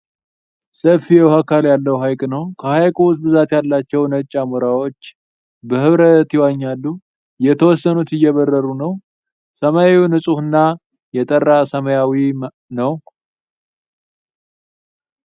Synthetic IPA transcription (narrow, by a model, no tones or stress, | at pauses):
səfːijɛwhakaljalːəwɦajkʼnəwkʰəhajkʰʼuwusbɨzat̪jalːat͡ʃːɛwnət͡ʃʼːamuɾawo̞t͡ʃː | bəɦɨβɾət̪iwaɲːalːu | jɛt̪ʰəwɔsːənut̪ɨjːɛβərːəɾunəw | səmajainɨsʼuhɨnːa | jɛt̪ʼərːasəməjawi | nəw